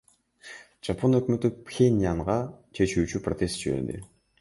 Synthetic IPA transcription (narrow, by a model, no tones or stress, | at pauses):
ʒ̥apʰo̞nø̞kmø̞t̪ypxʲenʲjaɴʁɑt͡ʃʰe̞t͡ʃyːt͡ʃypɾrot̪ʲe̞st̪d͡ʒiβe̞̰ɾd̪ḭ